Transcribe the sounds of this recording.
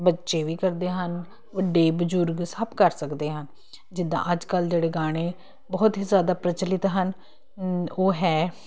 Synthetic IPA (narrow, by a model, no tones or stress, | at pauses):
bətːʃeːʋiːkəɾd̪eːɦən | ʋəɖːeːbəd͡ʒʊɾɡsəbkəɾsəkd̪eːɦən | d͡ʒɪd̪ã̰ːʔəd͡ʒkəld͡ʒeːɽeːɡaːɽ̃eː | bɔːt̪izjaːd̪aːpɾət͡ʃəlɪt̪ɦən | oːɦɛː